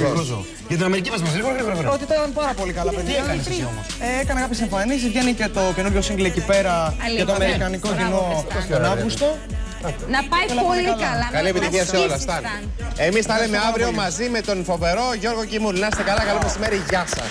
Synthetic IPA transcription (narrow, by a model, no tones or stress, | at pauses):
o | ʝɐt̪inɐmeɾicimɐzmɐsɾiɣoɾɐɣɾiɣɾot̪it̪ɐɐnpɐɾɐpo̞likɐlɐpeðiɐɐomoseekɐnekɐpçesiɱfɐnisʝe̞nice̞t̪o̞cenuɾʝo̞siŋɡliecipe̞ɾɐet̪oɐmeɾikɐnikocino̞onɐɣust̪o | nɐpɐjnɐoliɐlɐɐkɐlie̞pit̪içiɐseolɐst̪ɐn | emisθɐlemeɐvɾio̞mɐzimet̪o̞nfo̞ve̞ɾo̞ʝo̞ɾɣo̞cimulnɐst̪ekɐlɐkɐlomesime̞ɾiʝɐsɐ̰